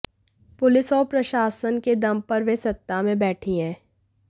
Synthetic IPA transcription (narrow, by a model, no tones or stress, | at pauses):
pʊlɪsɔːɾpɾɐʃaːsənked̪ɐmpɐɾʋesɐt̪ːamẽbɛːʈʰiɦɛ̃ː